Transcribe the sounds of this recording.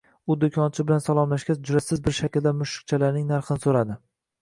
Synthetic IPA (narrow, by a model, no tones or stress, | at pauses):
ʊd̪ʊkʲʰɒnt͡ʃʰɪbɪlansalˠɒmlaʃɡʲad͡ʒʊɾasɪzbɪɾʃakʲld̪amʊʃɪ̥k̚t͡ʃʰalaɾnɪŋnaɾχɨnɪsoɾad̪ɪ